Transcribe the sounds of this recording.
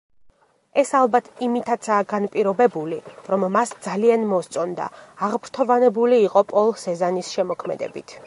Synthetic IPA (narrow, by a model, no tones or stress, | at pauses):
ɛsalˠbat̪ʰimit̪ʰat̪sʰaːɡanpʼiɾɔbɛbuliɾɔmːasd̪zalianmɔst̪sʼɔnd̪a̰ːʁpʰɾt̪ʰɔvanɛbuliːqʼɔpʼɔlˠsɛzanisʃɛmɔkʰmɛ̰d̪ɛ̰bḭt̪ʰ